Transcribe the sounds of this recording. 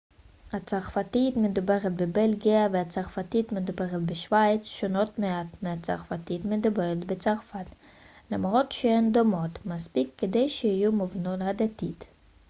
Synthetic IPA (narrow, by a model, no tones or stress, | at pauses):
hat͡saʁfat̪itmed̪ubeʁet̪bebelɡiaveat͡saʁfat̪it̪med̪ubeʁet̪beʃvajt͡sʃono̞t̪meat̪meat͡sa̰ʁfatit̪med̪ubeʁet̪bet͡saʁfat̪ | lamʁo̞t̪ʃeend̪o̞mo̞t̪maspikːed̪ejʃehijumovnolhad̪at̪it̪